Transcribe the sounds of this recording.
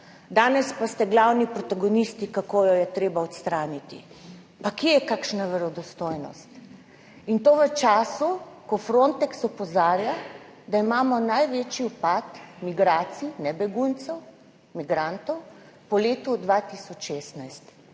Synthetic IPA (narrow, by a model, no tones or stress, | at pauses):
d̪aːnɛspast̪ɛɡlawnipɾɔt̪aɡɔnist̪ikakojɔjɛt̪ɾeːbaɔt̪st̪ɾaːnit̪ḭ | pakjeɛjɛkakʃnaʋɛɾɔd̪ɔst̪oːjnɔ̰st̪ | int̪oːʋət͡ʃaːsukɔfɾont̪ɛksɔpɔzaːɾja | d̪aimaːmɔnajʋeːt͡ʃiupat̪miɡɾaːt̪sinɛbɛɡunt̪sɛw | miɡɾant̪ɔw | pɔleːt̪ud̪ʋat̪isɔt͡ʃːʃeːst̪najst̪